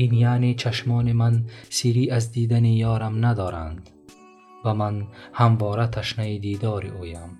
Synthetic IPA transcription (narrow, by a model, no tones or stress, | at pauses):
injaːnet͡ʃʰaʃmɒːnimansiːɾiːʔazd̪iːd̪anijɒːɾamnad̪ɒːɾa̰nd̪ | vamanhamvɔːɾat̪ʰaʃnaid̪iːd̪ɒːɾiʔuːjam